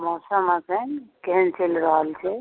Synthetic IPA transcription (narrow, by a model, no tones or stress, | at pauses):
mɔsəmasənkeɦənt͡ʃelɾəɦəlt͡ʃʰɛ